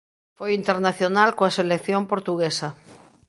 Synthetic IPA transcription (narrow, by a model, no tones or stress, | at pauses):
fojint̪eɾnaθjonalkoaselekθjompoɾt̪uɣ̞esa